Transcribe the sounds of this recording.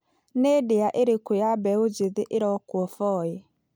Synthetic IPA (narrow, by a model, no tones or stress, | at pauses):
nedeaʔeɾekojabɛod͡ʒeðeʔeɾɔkwɔfɔe